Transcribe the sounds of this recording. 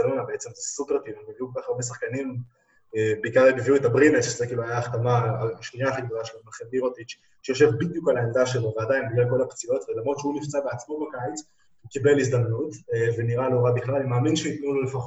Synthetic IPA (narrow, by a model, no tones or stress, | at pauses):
anonabeet͡semt̪asupeʁt̪inobiviukokaχaʁbe̞s̬aχkanim | beikaʁlebeviuetabʁinetʃezekiːluajaːχt̪amaːʃniaːχiɡdo̞laʃelmaχebiʁot̪it͡ʃ | ʃejo̞ʃevbid̪jukalaeld̪aʃelovead̪ajinblako̞lapt͡sio̞t̪velamʁo̞d̪ʃeunift͡sabeat͡smo̞bakajit͡s | ukibelisd̪amnut̪veniʁalo̞ʁabiχlalimaːminʃeit̪nulolefaχo